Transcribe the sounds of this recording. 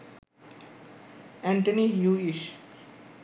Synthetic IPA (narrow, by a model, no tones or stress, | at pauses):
ɛ̃ɳʈənijuːiʃ